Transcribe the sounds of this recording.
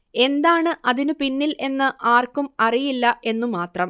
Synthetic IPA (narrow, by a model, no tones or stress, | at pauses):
e̞nd̪aːɳɨʔɐðinɨpinːilʔe̞nːɨʔaːrkumɐrijilːɐʔe̞nːumaːt̪rɐm